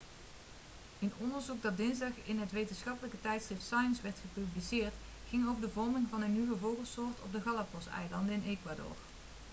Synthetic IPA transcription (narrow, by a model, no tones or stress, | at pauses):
ənɔndəɹzuk̚dɑt̚dɪnzdɑχɪnɦətʋejtənsχɑpələkətɛjtsχrɪftsɑjənsʋɛɹtχəpyblisɪːɹt | χɪŋowvəɹdəvɔɹmɪŋvɑnənːywəvowˠɣəlˠsʊːɹtʰɔ̰b̚dəɣɑlˠapɔsɛ̰jlɑndəɪnekʋadʊ̰ːɹ